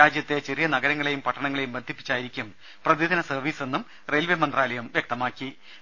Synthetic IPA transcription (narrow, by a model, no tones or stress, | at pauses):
aːd͡ʑjɐt̪ːe̞t͡ɕe̞rijɐnɐɡɐɾɐŋːɐɭe̞jumpɐʈːɐɳɐŋːɐɭe̞jumbɐnd̪ʱipːi̥t͡ɕːaːjiɾikʲːum | prɐd̪id̪ɐnɐsɐrʋiːse̞nːum | relʋemɐnd̪raːlɐjɐmʋjɐk̚t̪ɐmaːkːi